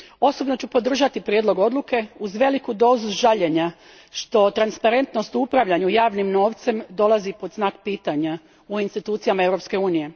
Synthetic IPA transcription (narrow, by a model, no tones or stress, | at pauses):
o̞so̞bno̞t͡ɕupo̞d̪r̩ʒat̪ipɾjed̪lˠo̞ɡo̞d̪lˠuke̞uzʋe̞likud̪o̞ːzuʒaʎe̞ɲa | ʃt̪o̞t̪ɾanspaɾe̞nt̪no̞st̪upɾaʋʎaɲujaːʋnimno̞ːʋt̪se̞md̪o̞lˠazipo̞d̪znaːkpiːt̪aɲa | uinst̪it̪uːt̪sijamae̞ʋɾo̞pske̞uːnije̞